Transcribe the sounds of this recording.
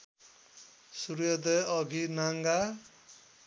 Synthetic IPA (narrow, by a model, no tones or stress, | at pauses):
suɾjʌd̪eʌɡʱinaŋɡa